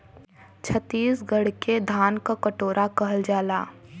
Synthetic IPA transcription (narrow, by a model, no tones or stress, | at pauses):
t͡ʃʰət̪ːiːsɡəɽ̤ked̪ʱaːnkakəʈoːɾʔakɐɦəld͡ʒaːlaː